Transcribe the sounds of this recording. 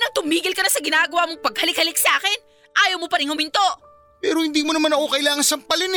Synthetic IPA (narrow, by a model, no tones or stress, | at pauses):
nɐŋt̪ʊmiːɡɪlkɐnasɐɡɪnaːɡɐwaːmoŋpɐɡhɐlɪk̚hɐlɪk̚sɐʔaːkɪn | ʔaːjɐwmopɐɾɪŋhʊmɪnt̪o̞ | pɛːɾohɪnd̪iːmonɐmanɐko̞kɐʔɪlaːŋɐnsɐmpɐlɪn